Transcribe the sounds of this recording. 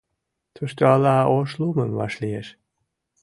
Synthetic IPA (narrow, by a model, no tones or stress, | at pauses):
t̪ʰøʃt̪øɑlɑoʃluməmβɑ̰ʃlijeʃ